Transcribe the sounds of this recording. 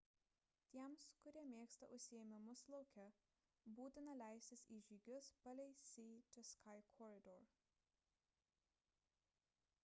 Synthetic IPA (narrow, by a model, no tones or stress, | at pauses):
t̪ʲiɛmskʊɾʲiɛmʲeːkst̪ɐ̰ʔʊʃʲsʲɪɛmʲɪmʊslˠɔʊkʲɛ | buːt̪ʲɪnɐlʲæˑɪsʲt̪ʲɪsiːʒʲiːɡʲʊspɐlʲɛɪsʲiːt̪ʲɪskʰɑɪkʰɔɾʲɪd̪ɔɾ